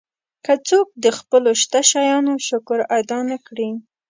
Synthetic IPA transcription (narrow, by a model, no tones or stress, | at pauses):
kat͡sok̚d̪əxpəloʃt̪aʃɑjɑnoʃʊkʊɾad̪ɑnakɽi